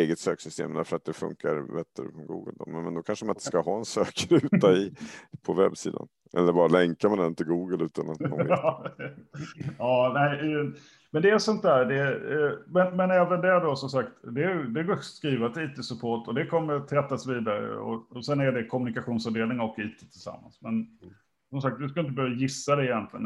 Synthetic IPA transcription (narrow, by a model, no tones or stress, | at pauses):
eːɡət̪søːksʏst̪ḛːmd̪æɾfœɾat̪̚d̪ɛfɵ̰ŋkaɾbɛt̪ʰːəɾfɾɔmɡṵːɡə̰ld̪ɔmmɛnd̪ɔkʰanʂəmanɪnt̪ə̥skaɦɑːɛnsøːkɾʉ̟ːt̪aɪpʰɔvɛ̰bsḭːd̪a̰n | ʔɛ̰lːəɾbɑːɾalɛŋkamand̪ɛnɪnt̪ɪɡuːɡəlʉ̟ːt̪anɔ | ɑːnæɪɛ | mɛnd̪ɛæsɔnt̪̚d̪æːɾd̪ɛ | mɛnmɛnɛːvənd̪ɛɖɔsɔmsakt̪d̪ɛæd̪ɛɡoskɾiːvat̪iːt̪ʰesɵpʰoːʈɔd̪ɛkʰɔmːəɾt̪ʰːɾɛt̪ːasviːd̪aɾə̰ɔ̰sɛnæɖɛkʰɔmɵnɪkaɧuːnsavd̪eːlnɪŋɔkːiːt̪ʰeːt̪ʰɪlsa̰mːa̰nsmɛn | sɔmsak̚t̪d̪ɵskaɪnt̪əbœːɾjajɪsːad̪ɛɪjɛnt̪lɪɡə̰n